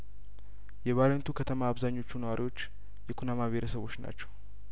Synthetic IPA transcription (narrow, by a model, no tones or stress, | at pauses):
jɛβalənt̪ʰukʰət̪ʰəmaːβzaɲːo̞t͡ʃːunəwaɾiwo̞t͡ʃː | jɛkʰunamabeɾəsəβo̞t͡ʃːna̰t͡ʃːɛw